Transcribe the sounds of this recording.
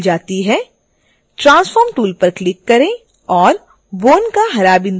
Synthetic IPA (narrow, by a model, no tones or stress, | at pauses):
d͡ʒaːt̪iɦɛ | ʈɾãːnsfɔːɾmʈuːlpɐɾklɪkːɐɾẽ | ɔːɾ | ʋoːnkaɦɐɾaːbɪ̃n